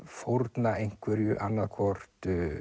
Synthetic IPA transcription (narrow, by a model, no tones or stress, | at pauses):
foɾt̪naejŋ̥kvɛɾjʏʔanːaðkʰvɔr̥t̪ʏ